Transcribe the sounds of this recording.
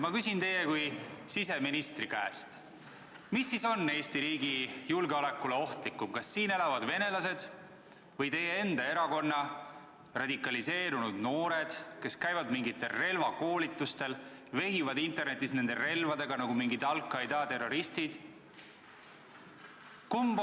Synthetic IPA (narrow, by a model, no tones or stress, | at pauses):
mɑkysint̪e̞jekujsise̞minist̪rikæːst̪ | misːiso̞nːe̞ːst̪iɾiːɡijulɡeole̞kːˑuleo̞ht̪likːˑumkɑsːiːne̞lɑvɑd̪ve̞ne̞lɑse̞d̪̥ | vɤjt̪e̞jee̞nd̪ɑe̞ɾɑko̞nːɑ | rɑd̪̥ikːˑɑlise̞ːɾunud̪̥no̞ːɾe̞d̪̥ke̞skæjvɑd̪miŋɡit̪ːe̞lre̞lvɑko̞ːlit̪ːˑust̪e̞lve̞ɦivɑd̪int̪e̞rne̞t̪ːˑisne̞nd̪ere̞lvɑd̪e̞ɡ̥ɑnɑɡumiŋɡit̪ɑlkːˑɑjd̪ɑːt̪e̞rːo̞ɾist̪id̪̥ | kumb